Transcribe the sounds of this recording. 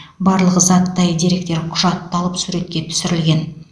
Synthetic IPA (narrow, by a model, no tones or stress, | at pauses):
bɑɾlˠəʁəzɑt̪ːɑjd̪iɾe̞kt̪e̞ɾqʰʊʒɑt̪ːɑlˠəpsuɾe̞t̪kʲe̞t̪ʰʏ̥sɪɾɪlɡʲe̞n